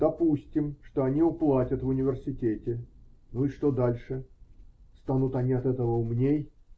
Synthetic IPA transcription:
d̪̥ɐpusʲtʲɪmʂt̪o̞ɐnʲiʊplˠatʲət̪vʊnʲɪvʲɪrsʲɪtʲetʲɪnuɪʂt̪o̞d̪alʲʂɨ | st̪anut̪ɐnʲiɐt̪ɛt̪əvəʊmnʲej

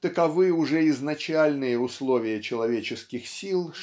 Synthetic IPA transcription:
t̪əkɐvɨjəʊʐɛɪznɐt͡ɕalʲnɨjəʊslˠo̞vʲɪjət͡ɕɪlˠɐvʲet͡ɕɪskʲɪxsʲilˠʂ

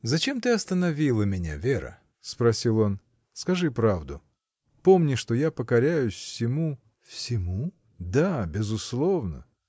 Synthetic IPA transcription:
zɐt͡ɕe̞mt̪ɨɐst̪ənɐvʲilˠəmʲɪnʲa̰vʲe̞ɾə̰ | spɾɐsʲilˠo̞n | skɐʐɨpɾavd̪ʊ | pomnʲɪʂt̪ojapəkɐɾʲæjʊsʲfsʲɪmu | fsʲɪmu | d̪abʲɪzʊslˠo̞vnə̰

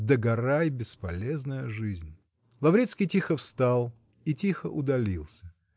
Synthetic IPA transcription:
d̪əɡɐɾajbʲɪspɐlʲeznəjəʐɨzʲnʲ | lˠɐvɾʲit̪skʲijtʲixəfst̪alˠ | itʲixəʔʊd̪ɐlʲilˠsʲə

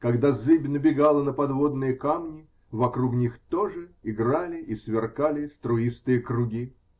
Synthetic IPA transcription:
kɐɡd̪azɨbʲnəbʲɪɡalˠənəpɐd̪vod̪nɨjəkamnʲɪ | vɐkɾuknʲixt̪oʐɨɪɡralʲɪʔisvʲɪrkalʲɪst̪ɾʊist̪ɨjəkɾʊɡʲi

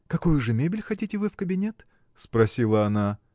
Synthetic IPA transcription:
kɐkojʊʐɨmʲebʲɪlʲxɐtʲitʲɪvɨfkəbʲɪnʲet̪ | spɾɐsʲilˠəɐna

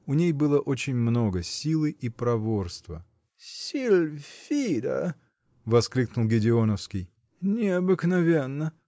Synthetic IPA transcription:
ʊnʲejbɨlˠəʔot͡ɕɪnʲmno̞ɡəsʲilˠɨʔipɾɐvo̞rst̪və | sʲilʲfʲid̪ə̰ | vɐsklʲiknʊlˠɡʲɪdʲɪo̞nəfskʲɪj | nʲɪɐbɨknɐvʲenːə

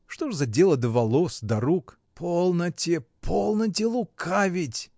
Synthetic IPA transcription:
ʂt̪oʐzɐdʲelˠəd̪əvɐlˠosd̪ɐɾuk | pʰolˠnətʲɪpʰolˠnət̬ʲɪlˠʊkʰavʲɪtʲ

